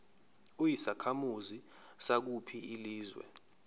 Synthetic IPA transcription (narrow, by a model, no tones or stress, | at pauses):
ujisakʰamuzi | sak̬upʰiiliːzwɛ̰